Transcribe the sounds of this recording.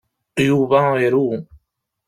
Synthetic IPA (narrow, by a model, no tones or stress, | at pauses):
juβaeɾuː